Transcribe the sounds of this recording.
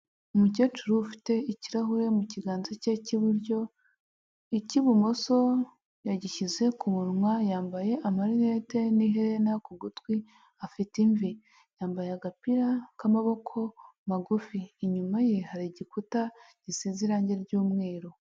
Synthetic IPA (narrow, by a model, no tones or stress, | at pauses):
umucet͡ʃuɾufi̥te̞iciɾaɦuɾe̞muciɡaːnzececiβuɾɟo̞ | iciβumoso̞ | jaɟiʃize̞kumuɾmwajaːmbaje̞ʔamaɾinete̞niɦeɾe̞nakuɡutwi | afitiɱvi | jaːmbajeaɡapiɾakamaβo̞kʰo̞maɡufiːɲumajehaɾiɟikuta | ɟ̥isiziɾaːɲɟeɾɟuːmŋe̞ːɾo̞